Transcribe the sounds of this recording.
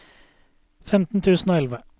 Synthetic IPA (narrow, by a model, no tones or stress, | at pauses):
fɛmt̪n̩t̪ʰʉːsn̩oːɛlʋə